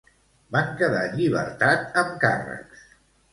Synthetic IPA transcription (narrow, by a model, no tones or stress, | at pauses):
baŋkəðaʎiβ̞ə̰ɾt̪at̪əmkarə̰ks